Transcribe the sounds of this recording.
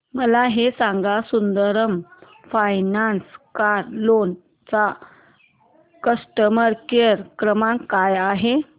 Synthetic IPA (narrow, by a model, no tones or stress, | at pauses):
məlaɦesãŋɡasund̪əɾəm | fajnanskaɾlon | t͡sa | kəsʈəməɾkeɾkɾəmãŋkajaɦe